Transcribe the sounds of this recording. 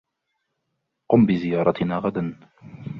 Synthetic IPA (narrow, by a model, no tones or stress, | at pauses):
qʊmbɪzɪjɑːɾˤɑt̪ɪnaːɣad̪an